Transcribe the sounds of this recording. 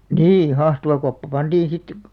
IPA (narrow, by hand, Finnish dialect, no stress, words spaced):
niː hɑhtuʋɑkopːɑ pɑnd̥iːn̞ sit